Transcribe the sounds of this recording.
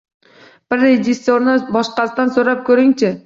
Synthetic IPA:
b̥ɪɾːed͡ʒɪsːoɾnɪbɒʃqɑst̪ansɵɾap̚kʰɵɾɪŋt͡ʃʰɪ

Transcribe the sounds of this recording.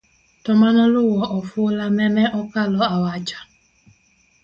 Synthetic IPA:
tɔmanɔlʊwɔʔɔfulamɛmɛʔɔkalɔawat͡ʃḁ

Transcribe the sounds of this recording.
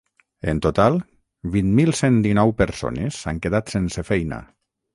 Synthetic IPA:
ḛnt̪ot̪alˠ | βinmilˠsend̪inɔwpeɾso̰nez̥a̰ŋkeðat̪sensefɛjna̰

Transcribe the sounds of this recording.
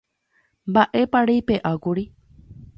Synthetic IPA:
mbaʔe̞paɾejpeʔakuɾi

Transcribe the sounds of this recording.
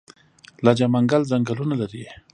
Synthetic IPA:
lad͡ʒamaŋɡalzaŋɡalunalaɾi

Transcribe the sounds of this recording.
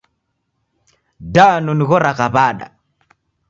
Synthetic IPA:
danuniɣɔɾaɣaβaːɗa̰

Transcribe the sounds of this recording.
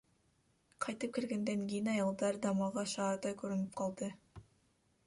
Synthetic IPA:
qʰɑjt̪ɯp̚kʲeɾɡʲe̞nd̪eŋkʲe̞jɪnɑjɑlˠd̪ɑɾd̪ɑmɑʁɑʃɑːɾt̪ɑjkʲʰɵɾynɪp̚qʰɑlˠd̪ə

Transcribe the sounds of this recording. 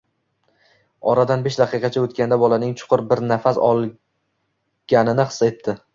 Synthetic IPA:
ɒɾad̪anbeʃd̪aqʰɨjqʰɑt͡ʃʰaɵt̪kʲand̪abɒlanɪŋt͡ʃʰʊ̥qʰʊɾbɪɾnafasɒ̰lˠ | ɡ̥ʲanɪnɪχɨ̥sːet̪ʰːɪ

